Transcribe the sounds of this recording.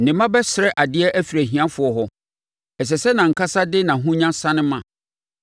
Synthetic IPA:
nɪ̃˨mã˦bɛ˦sɪ˨ɾɛ˦ʔa˨dɪ˦ɛ˦ʔæ˦fi˨ɾæ˨ɦĩ˨ã˦fʊ˨˦ɔ˨ɦɔ˦ | ɛ˨s̬ɛ˨sɛ˦nã˨ŋ̩˨kʰa˦sa˦dɪ˦nã˨ɦũ˦ɲã˦sã˦nɪ̃˦mã˨

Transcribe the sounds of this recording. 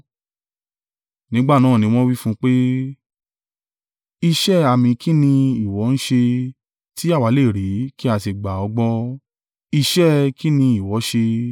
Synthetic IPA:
nĩ˨˦ɡ͡ba˦˨nãː˦˨nĩ˧w̃ɔ̃˦wi˦fũ˦k͡pe˦ | i˧ʃɛ˦˨a˨mĩ˧ki˦nĩ˧i˨wɔ˨˦ñ̩˦ʃe˧ | ti˦a˦˨wa˨˦le˦˨ɾi˨˦ki˦a˧t̬i˨ɡ͡ba˨ɔ˧ɡ͡bɔ˧ | i˧ʃɛ˦ki˦nĩ˧i˨wɔ˨˦ʃe˧

